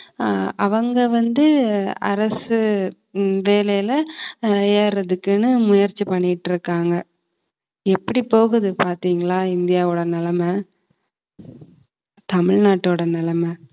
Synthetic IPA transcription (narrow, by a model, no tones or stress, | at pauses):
ɐʋɐŋɡɐʋɐnd̪ɯɐ̰ɾɐsɯ | ʋeːlɐjɪlɐ | eːɾɐðɯkːɯnɯmʊjɐɾt͡ʃːipɐɳːɪʈːɪɾɯkːaːŋɡɐ | ɛpːɐɽipoːɣɯðɯpaːɾt̪iːŋɡɐɭaːɪnd̪ɪjaːʋoːɽɐnɪlɐmɐ | t̪ɐmɪɻnaːʈːoːɽɐnɪlɐmɐ